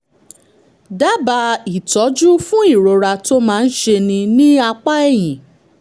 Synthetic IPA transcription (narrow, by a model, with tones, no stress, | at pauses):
da˦ba˧i˨tɔ˨˦d͡ʒu˦fũ˦i˦˨ɾo˨ɾa˧to˦mãː˦˧n̩˦ʃe˧nĩ˧nĩ˦a˧k͡pa˦ɛ˦˨jĩ˨